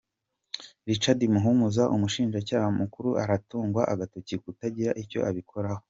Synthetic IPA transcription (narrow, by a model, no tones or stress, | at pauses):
ɾit͡ʃadimuɦumuzaʔumuʃiːnʒacaːhamukuɾuʔaɾatuːŋɡwaʔaɡatocikutaɟiɾaʔiɾco̞̰ʔaβikʰo̞ɾaho